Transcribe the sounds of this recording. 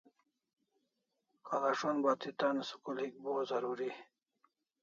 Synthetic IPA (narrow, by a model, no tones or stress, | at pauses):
kalaʂonbat̪it̪ansu̥kulhik̚bozɐɾuɾi